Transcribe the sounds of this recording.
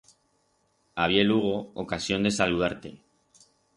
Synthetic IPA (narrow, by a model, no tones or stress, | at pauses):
aβ̞jeluɣ̞o̞okasjo̞nd̪e̞saluð̞aɾt̪e̞̰